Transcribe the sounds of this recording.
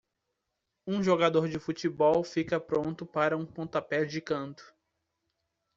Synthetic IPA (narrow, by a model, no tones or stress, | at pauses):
ũʒoɡad̪oɾd͡ʒɪfut͡ʃibɔwfikɐpɾõnt̪ʊpaɾɐũpõt̪apɛd͡ʒɪkɐ̃nt̪ʊ̥